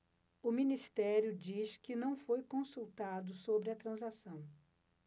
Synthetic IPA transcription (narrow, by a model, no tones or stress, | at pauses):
ʊmĩnist̪ɛɾjʊd͡ʒiskɪnɐ̃w̃fojkõsuwt̪ad̪ʊsobɾɪɐt̪ɾɐ̃zasɐ̃w̃